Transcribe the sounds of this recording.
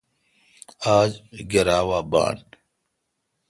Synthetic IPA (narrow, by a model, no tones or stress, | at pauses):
aːd͡ʑɡeɾaːwaːba̰ːn